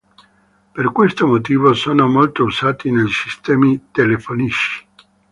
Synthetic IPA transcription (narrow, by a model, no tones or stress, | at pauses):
perkwest̪omot̪iːvosoːnomolt̪ousaːt̪ineʎsist̪ɛːmit̪elefoniʃi̥